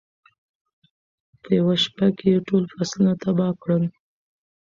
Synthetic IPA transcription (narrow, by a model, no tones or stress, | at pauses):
pəjawaʃpakejeʈolfaslunat̪abɑkɽəl